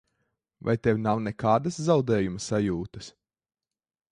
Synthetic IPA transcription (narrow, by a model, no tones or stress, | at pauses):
va̰jt̪ɛwʲnawnɛkaːd̪ɐszawd̪ɛːjumɐsajuːt̪ɐs